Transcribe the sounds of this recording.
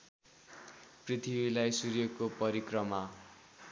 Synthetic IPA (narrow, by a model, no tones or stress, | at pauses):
prit̪ʰibilajsuɾjekopʌɾikrʌma